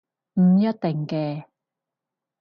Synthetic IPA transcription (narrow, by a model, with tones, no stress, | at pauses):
m̩˨˩jɐ˥t̚t̪e˨˩ŋkɛː˧